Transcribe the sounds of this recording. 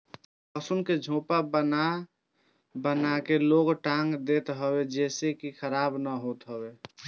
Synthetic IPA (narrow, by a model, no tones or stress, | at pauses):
əsʊnked͡ʒʱõːpabəna | bənakeloːɡʈãːŋɡd̪eːt̪ɦəwed͡ʒɛːsekixʰəɾaːbnəɦoːt̪ɦəweː